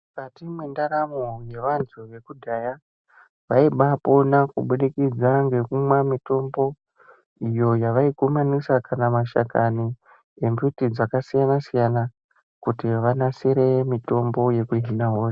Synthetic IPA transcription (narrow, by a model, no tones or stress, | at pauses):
mukatimwendaɾamoje̞ʋantʰuʋe̞kudʱaja | ʋaiɓapo̞nakuɓuɗikid͡zaŋɡe̞kumwamito̞mbo̞ | ijo̞jaʋaikumanisakanamaʃa̰kani | embutid͡zakasijanasijana | kutiʋanasiɾemito̞mbo̞je̞kuɦinaɦoːa